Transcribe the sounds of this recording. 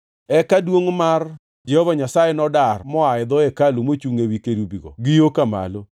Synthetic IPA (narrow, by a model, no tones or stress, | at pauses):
ɛkadwoŋmar | d͡ʒɛhɔvaɲasajenɔdarmɔaɪd̪ɔɛkalumot͡ʃuŋewikeɾubiɡɔ̰ɡijokama̰lo